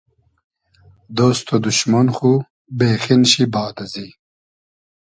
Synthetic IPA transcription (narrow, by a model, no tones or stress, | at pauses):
d̪oːst̪ʰod̪uɕmɐnxu | beːxinɕibaːt̪ɐzi